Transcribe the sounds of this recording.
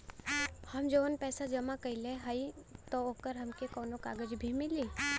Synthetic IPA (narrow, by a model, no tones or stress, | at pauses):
hɐmd͡ʒoːnpɛːsad͡ʒɐmakɐileɦəit̪ooːkəɾɦɐmkekɔːnokaːɡəd͡ʒbʱimɪliː